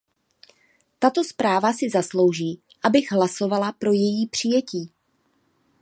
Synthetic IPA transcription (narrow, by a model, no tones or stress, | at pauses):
t̪at̪o̞spɾaːvasɪzaslo̞wʒiː | ʔabɪɣɦlaso̞valapɾo̞jɛjiːpr̝̥ɪjɛciː